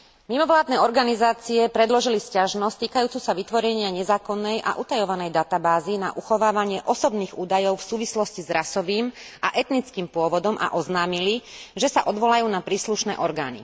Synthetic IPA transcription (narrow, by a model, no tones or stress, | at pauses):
mimɔʋlaːd̪nɛːɔɾɡanizaːt͡siɛpɾɛd̪lɔʒiliscaʒnɔst̪iːkajuːt͡suːsaʋit̪ʋɔɾɛɲɪaɲɛzaːkɔnːɛjʔa̰ʔut̪ajɔʋanɛjd̪at̪abaːzina̰ʔuxɔʋaːʋaɲɪɛʔɔsɔbniːɣuːd̪ajɔʊfsuːʋislɔscizɾasɔʋiːmaʔɛt̪nit͡skiːmpʊɔʋɔd̪ɔmʔa̰ʔɔznaːmiliʒɛsaʔɔd̪ʋɔlajuːnapɾiːsluʃnɛ̰ːʔɔɾɡaːnḭ